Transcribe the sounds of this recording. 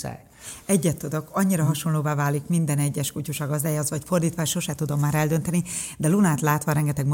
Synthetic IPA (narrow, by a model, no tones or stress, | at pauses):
ɛɟːɛt̪ːud̪o̞kɒɲːiɾɒɦɒʃo̞nloːvaːvaːlikmind̪ɛnɛɟːɛʃkucuʃɒɡɒzd̪aːjazʋɒcfo̞rd̪iːt̪ʋaːʃo̞ʃɛt̪ud̪o̞mːaːɾɛld̪ø̞nt̪ɛnid̪ɛlunaːt̪laːt̪ʋɒɾɛŋɡɛt̪ɛɡm